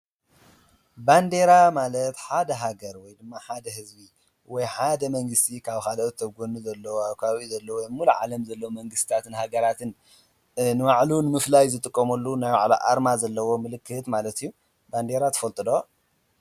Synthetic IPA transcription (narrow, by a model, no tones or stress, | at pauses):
band̪e̞ɾamalɐt̪ħad̪ɐɦaɡɐɾwɔjd̪ɨmːaħad̪ɐɦɨzbi | wɔjħad̪ɐmɐŋɡɨst̪ʰikʰaβxalɐt̪ʰɐɡonuzɐlːɐwaβkʰaβaβizɐlːɐwwɔjmɨmuluʕa̰lɐmzɐlːɐwomɐŋɡɨst̪t̪ʰat̪ɨnhaɡɐɾat̪ʰɨn | nɨmaʕlunɨmɨflajzɨt̪ʼɨkʼːɐmɐlːunajwa̰ʕlaʔa̰ɾmazɐlːɐwo̞mɨlɨkʰːɨt̪malɐt̪ijːu | band̪e̞ɾat̪ʰɐ̥fɐlt̪ʼɨd̪o